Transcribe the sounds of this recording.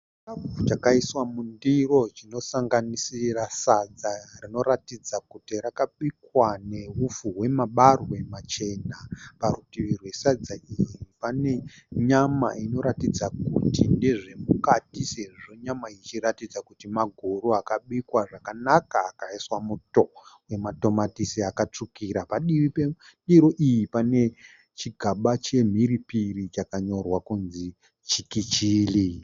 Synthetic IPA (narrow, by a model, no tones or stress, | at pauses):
abut͡ʃakaiswamundiro̞t͡ʃino̞saŋɡanisirasad͡zarino̞ɾatid͡zakutirakaɓikwane̞ɦufuɦwe̞maɓarwe̞mat͡ʃe̞naparutiʋirwe̞sad͡zaʔijipane̞ɲama̰ino̞ɾatid͡zakṵtindeʐe̞mukatiseiʐoɲamait͡ʃiɾatid͡zakutimaɡʱoɾuakaɓikwaʐakanakaːkaiswamuto̞we̞mato̞matisiakat͡ʂukiɾapaɗiʋipeɗiɾo̞ʔijipane̞ | t͡ʃiɡʱaɓat͡ʃe̞m̤iɾipirit͡ʃakaɲo̞rwakunzi | t͡ʃikit͡ʃiːli